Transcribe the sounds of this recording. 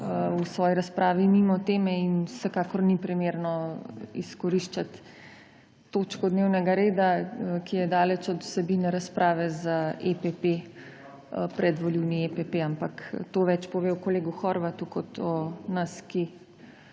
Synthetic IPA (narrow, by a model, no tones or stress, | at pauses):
usʋɔːjiɾaspɾʔaːʋimimɔt̪eːmɛinwsɛkaːkɔɾnipɾimeːɾnɔiskɔɾiʃt͡ʃat̪ | ot͡ʃkɔd̪newnɛɡaɾeːd̪akijɛd̪aːlɛt͡ʃɔd̪u̥sɛbinɛɾaspɾʔaːʋɛzaepepe | pɾɛd̪ʋɔliwniepepeampakt̪oːʋɛt͡ʃpɔʋewkɔleːɡuxɔɾʋat̪ukɔt̪ɔnaski